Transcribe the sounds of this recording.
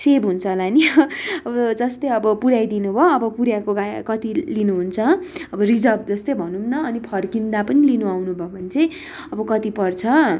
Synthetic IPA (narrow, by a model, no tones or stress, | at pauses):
sebɦunt͡sʰʌlaniʌbʌd͡zʌst̪ʌjʌbʌpuɽjajd̪inubʱʌːbʌpuɾjakoɡakʌt̪ilinuɦunt͡sʰʌʌbʌrid͡zʌb̚d͡zʌst̪ʌjbʱʌnunnʌːnipʰʌrkind̪apʌnilinuawnubʱʌbʱʌnt͡sʰʌj | ʌbʌkʌt̪ipʌrt͡sʰʌ